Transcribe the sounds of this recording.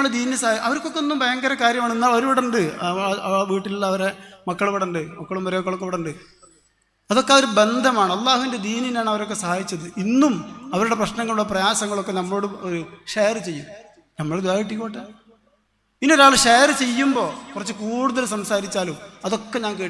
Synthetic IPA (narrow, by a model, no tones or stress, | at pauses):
ɐɭɽed̪iːnesɐaʔɐʋɐɾkːokːeonːumbʱɐjɐŋɡɐɾɐkaːɾjɐmaːɳenːaːɭoɾuʋiɽɐɳɖɨ | ʋiːʈːililːɐːʋɐɾemɐkːɐɭʋiɽuɳɖɨmɐkːɐɭumːɐɾeokːɐɭokːeʋiɽɐɳɖɨ | ɐðo̞kːeoɾube̞nd̪ʱɐmaːɳɐlˠːaːhuʋinded̪iːninaːɳɐʋɐɾo̞kːe̞sɐhaːjit͡ɕːɐðɨinːumɐʋɐɾuɽe̞prɐɕnɐŋːɐɭuɽɐprɐjaːsɐŋːɐɭokːe̞nɐmːɐɭoɽɨoɾuʂejrɨt͡ɕe̞jːum | nɐmːɐɭed̪uʋaːjiʈ̬ːikːoːʈːe | inːoɾaːɭɨʂejrɨt͡ɕe̞jːumbo̞ːkurɐt͡ɕːɨkuːɽuðɐlsɐmsaːɾit͡ɕːaːlumɐðo̞kːeɲaːnkeːʈ